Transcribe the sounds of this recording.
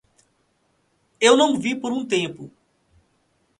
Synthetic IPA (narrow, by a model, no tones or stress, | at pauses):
ewnɐ̃w̃vipoɾũt̪ẽmpʊ